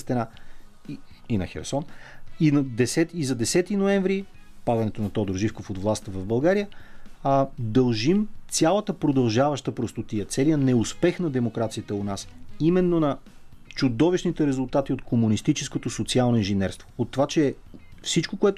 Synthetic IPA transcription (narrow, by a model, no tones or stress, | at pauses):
st̪ɛna | i | inɐ̰xɛ̰ɾsɔninɐd̪ɛsɛt̪izɐd̪ɛsɛt̪inoɛɱvɾi | pad̪ɐnɛt̪onɐt̪ɔd̪oɾʒifkofod̪vlˠast̪əvɐvbɐlˠɡaɾijə | d̪ɐlˠʒimt̪sʲjalˠət̪əpɾod̪ɐlˠʒavɐʃt̪əpɾost̪ot̪ijət̪sɛlijənɛʊspɛxnɐd̪ɛmokɾat̪sijət̪əonasimɛnːonɐ | t͡ʃʊd̪ɔviʃnit̪ɛɾɛzʊlˠt̪at̪iot̪komunist̪it͡ʃɛskot̪osot̪sialˠnoinʒɛnɛɾst̪vo̥ːt̪ːovat͡ʃɛ | fsit͡ʃkokoɛt̪